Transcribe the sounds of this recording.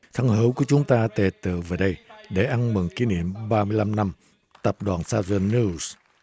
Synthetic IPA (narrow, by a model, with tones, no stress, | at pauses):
t̪ʰə˧˩ŋhɨ̰˧˩˦wku˧˩ət͡ɕʊ˨˦ŋ͡mt̪aː˧t̪e˨˩t̪ɨ̰˧˨ve˨˩ɗə˧jɗe˧˩ʔa˧nmɨ˨˩ŋki˨˦nḭ˧˨əmɓaː˧mɨ˧əjla˧mna˧m | t̪ə˨˩p̚ɗwaː˨˩nsaː˧zə˧nːi˧s